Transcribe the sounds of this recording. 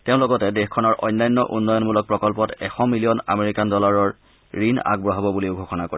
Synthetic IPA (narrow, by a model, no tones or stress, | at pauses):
teʊ̃lɔɡɔtɛdexkʰːɔnɔɹʔɔ̰jnːajnːɔʔunːɔjɔnmulɔk̚pɹɔkɔlpɔtɛxɔmilijɔna̰meɹikandɔlaɹɔɹ | ɹina̰ɡ̚bɹɔɦabɔbuliʊbʱɔxʰɔnakoɹi